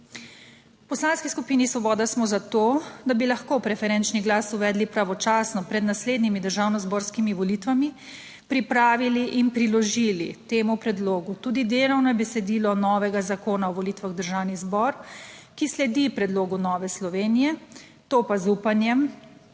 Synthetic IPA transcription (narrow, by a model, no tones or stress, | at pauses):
pɔslanskiskupiːnisʋɔbɔːd̪asmɔzat̪oːd̪abilaxkoːpɾɛfɛɾɛnt͡ʃniɡlaːsuʋɛːd̪lipɾaʋɔt͡ʃaːsnɔpɾɛd̪nasleːd̪nimid̪əɾʒaːwnɔzboɾskimiʋɔlit̪ʋami | pɾipɾaːʋiliʔinpɾilɔʒiːlit̪eːmupɾɛd̪loːɡut̪uːd̪id̪elɔwnɔjɛbɛsɛd̪iːlɔnɔʋɛɡazakoːnaɔʋɔlit̪ʋaɣd̪əɾʒaːwnizbɔɾkislɛd̪ipɾɛd̪loːɡunɔːʋɛslɔʋeːnijɛ | t̪oːpazuːpanjɛm